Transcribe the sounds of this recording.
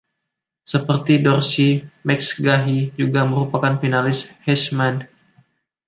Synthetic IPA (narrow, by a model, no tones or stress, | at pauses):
səpərt̪idɔrsimɛksɡaɦid͡ʒuɡaməɾupakanfinalɪshɛsman